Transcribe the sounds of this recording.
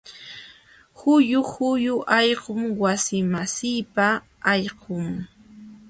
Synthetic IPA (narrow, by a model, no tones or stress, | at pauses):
hʊjʊhʊjʊʔɑʎqomwasɪmasɪːpa | ɑʎɢʊŋ